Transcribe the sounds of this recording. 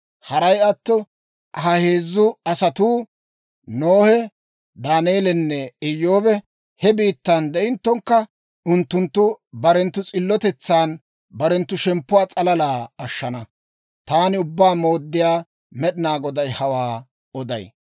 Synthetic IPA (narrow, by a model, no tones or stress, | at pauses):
hɐɾɐjɐt̪ːɔ | hɐhe̞ːzːʊɐsɐt̪uː | noːhɛ | d̪aːnjeːlɛnːɛɪjːoːbɛ | hɛbiːt̪ːand̪ɛʔɪnt̪ːɔŋkːɐ | ʊnt̪ːʊnt̪ːʊbɐɾɛnt̪ːʊt͡sʼɪlːɔt̪ɛt͡sːaːn | bɐɾɛnt̪ːʊʃɛmpːʊwaːt͡sʼɐlɐlaːɐʃːɐnɐ | t̪aːnɪʊbːaːmo̞ːd̪ːɪjaː | mɛɗɪnaːɡɔd̪ɐjhɐwaː | ɔd̪ɐ̰j